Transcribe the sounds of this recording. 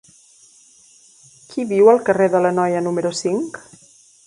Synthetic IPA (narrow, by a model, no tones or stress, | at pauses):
kʰiβiwəlˠkəreðələnɔjənuməɾusiŋk